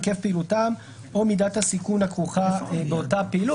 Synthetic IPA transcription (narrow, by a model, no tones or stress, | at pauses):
ke̞fpeilutam | o̞midat̪hasikunhakʁuχabeo̞tapeilu